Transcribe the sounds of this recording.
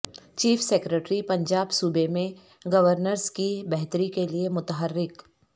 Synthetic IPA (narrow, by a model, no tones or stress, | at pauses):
t͡ʃiːfʰseːkɾeʈɾipɐ̃ɲd͡ʒaːbsuːbemẽ | ɡɐʋəɾnəɾskibɛɦt̪əɾikeliemʊt̪ɦəɾːɪk